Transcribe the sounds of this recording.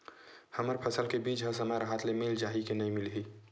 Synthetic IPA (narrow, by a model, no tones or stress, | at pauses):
həməɾpʰəsəlkebiːt͡ʃɦəsəmajɾəɦaːt̪lemɪld͡ʒaːɦikenɐĩmɪlɦi